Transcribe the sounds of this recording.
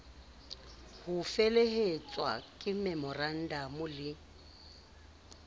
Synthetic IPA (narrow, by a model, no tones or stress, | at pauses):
hʊfeleɦet͡sʼwa̰kʼɪmɛmɔran̩damʊlɪ